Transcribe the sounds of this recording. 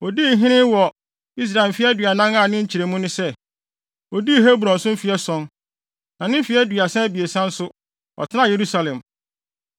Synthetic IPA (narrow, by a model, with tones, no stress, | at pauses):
ɔ˨di˦˨ɦɪ̃˦nɪ̃˦wɔ˨ | i˦s̬ɾa˨ɪ˨m˨fɪ˦ɛ˦dɥa˨nã˦ŋã˦˨nɪ̃˦ɲ̩˦t͡ɕʰi˨ɾe˨mũ˦nɪ̃˦sɛ˦˨ | ɔ˨di˦˨ɦe˦bu˨ɾɔ̃˨n̩˨sʊ̃˦m̩˦fi˨ɛ˦sɔ̃˦n | nã˨nɪ̃˦fi˨˦ɛ˦dɥa˨sã˦æ˦bi˨e˨sã˦n̩˦sʊ˦ | ɔ̰˨tʰɪ˦nã˦je˨ɾu˦sa˦lɛ̃˨m